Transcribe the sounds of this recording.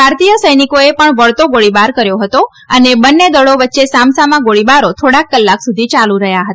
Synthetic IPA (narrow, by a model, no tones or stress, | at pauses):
bʱaɾt̪ijəsəjnikoepəɳʋəɭt̪oɡoɭibaɾkəɾjoɦət̪o | ənebənːed̪əɽoʋətːʃesamsamãɡoɭibaɾot̪ʰoɽakːəlːaksud̪ʱit͡ʃaluɾəɦjaɦət̪a